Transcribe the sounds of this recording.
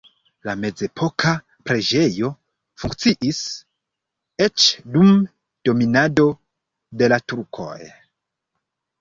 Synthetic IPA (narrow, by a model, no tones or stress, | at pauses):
lame̞d͡ze̞pʰo̞kʰa | pɾe̞d͡ʒe̞jo̞ | fuŋkt͡siʔis | e̞t͡ʃdum | d̥o̞minado̞ | de̞latuɾkʰo̞̰j